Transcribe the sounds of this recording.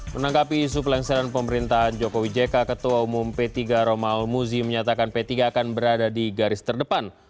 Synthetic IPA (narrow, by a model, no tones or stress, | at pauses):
mənaŋɡapiːs̬upəlaŋsaɾanpəməɾint̪aɦand͡ʒokowid͡ʒekakət̪uaumʊmpɛt̪iɡaɾomaulmuziməɲat̪akanpɛt̪iɡaːkanbəɾadadiɡaɾɪst̪ərdəpan